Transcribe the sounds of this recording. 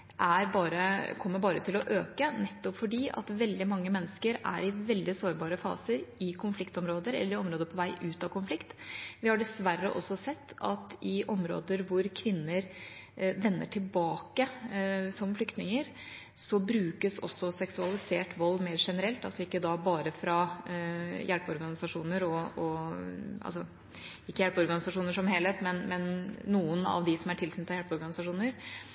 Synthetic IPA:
ʔæɾbɑːɾəkʰɔmːəbɑːɾət̪ʰɪlɔʔøːkənɛt̪ːɔpfɔɖiːʔɑ̰t̪ʋɛld̪ɪmɑŋːəmɛnːəskəɾæ̰ɾɪʋɛld̪ɪsoːɾbɑːɾəfɑ̰ːsəɾɪkʰʊnflɪkt̪ɔmɾoːd̪əɾɛ̰lːəɾɪɔmɾoːd̪əpʰɔʋæɪʔʉːt̪ɑkʊnflɪkt̪ʋɪhɑɖɛsʋæɾːə̰ʔɔ̰sːɔsɛt̪ːɑ̰t̪ɪʔɔmɾo̰ːd̪əɾʋʊɾkʰʋɪnːəɾ | ʋɛnːə̰ʈʰɪlbɑːkəsɔmflʏkt̪nɪŋəɾ | sɔbɾʉːkəsɔ̰sːɔsɛksʉɑlɪseːʈʋɔlːmeːɾʂɛnəɾɛlt̪ɑlsɔɪkːəd̪ɑbɑːɾəfɾɑ | jʔælpɔɾɡɑnɪsɑʂuːnəɾɔɔ | ʔɑ̰lsɔ | ɪkːəjælpɔɾɡɑnɪsɑʂuːnəʂɔmheːlheːt̪mɛnmɛnːuːənɑ̰ʋd̪ɪsɔmæʈʰɪlsynt̪ʰːɑjælpɔɾɡɑnɪsɑʂuːnəɾ

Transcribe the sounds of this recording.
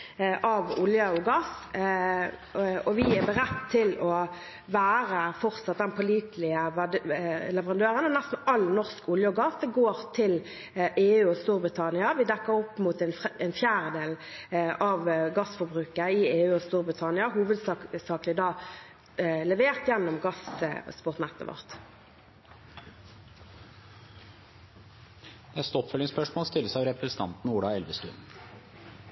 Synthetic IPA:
ʔɑʋʊljɑɔɡɑs | ɔʋɪɛbəɾɛt̪ːt̪ʰːɪlɔ | ʋæːʁəfɔʁt̪sɑt̪̚d̪ɛnpʰɔliːt̪ʰlɪəʋælɛʋəʁɑnd̪øːʁənɔnæst̪n̩ɑlnɔʁskʊljəɔɡɑsd̪ɛɡoːʁt̪ʰɪl | ʔeːʉːɔst̪uːɾbʁɪt̪ʰɑnɪɑʋɪd̪ɛkːəɾɔpːmuːt̪ɛnɛnfjæːʁəd̪eːlɑʋɡɑsfɔʁbʁʉːkəɪeːʉːɔst̪uːʁbʁɪt̪ʰɑnɪɑɦuːʋəd̪ssɑːklɪd̪ɑː | lɛʋeːʁt̪jɛnːɔmɡɑsspʊʁt̪nɛt̪ːə̰ʋɔ̰ʁt̪ | nɛst̪əɔpfœlːɪŋspœʂmoːlst̪ɪlːəsɑʋɾɛpɾɛsnt̪ʰɑ̰nt̪n̩uːɽɑɛlʋəst̪ʉ̰nn̩

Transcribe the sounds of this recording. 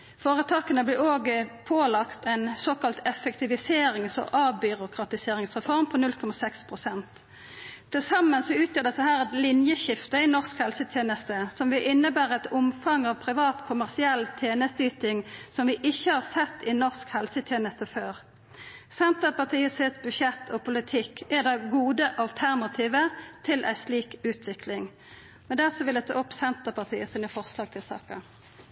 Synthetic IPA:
foːʁət̪ʰɑːkənəblɪoːɡəpʰoːlɑkt̪ʰɛnsoːkɑlt̪ʰɛfɛkt̪ɪʋɪseːɾɪŋsɔ̰ʔɑːʋbʏɾʊkʰʁɑt̪ɪseːɾɪŋsʁɛfɔʁmpʰɔnʉlkʰɔmɑsɛkspʰʁʊsɛnt̪ʰː | ɪlsɑmːənsɔʉːt̪ʰjøːɖ̪ɛst̪ːəhæːɾɛt̪lɪnjəʃɪft̪əɪnɔʁskhɛlsət̪ʰjeːnəst̪əsɔmʋɪʔɪnːəbæːʁɛt̪ʊmfɑŋɑːʋpʰɾɪʋɑːt̪kʰʊmæʁsɪɛlt̪ʰjeːnəst̪yːt̪ɪŋsɔmʋɪʔɪçːəhɑʁsɛt̪ːɪnɔʁskhɛlsət̪ʰjeːnəst̪əføːʁ | sɛnt̪əpɑʁt̪ʰiːəsɪt̪sbʉʃɛt̪ːʰɔpʰʊlɪt̪ʰɪkːɛd̪ɛɡuːd̪əʔɑlt̪ʰæʁnɑt̪ʰiːʋət̪ʰɪlʔæ̰ɪsliːkʉːt̪ʰʋɪklɪŋ | mɛnd̪æʁsɔʋɪld̪ɛt̪ʰɑ̰ːʊpːsɛnt̪əʁpʰɑʁt̪ʰḭːəsɪːnəfɔʁslɑːɡ̚t̪ʰɪlsɑ̰ːkə

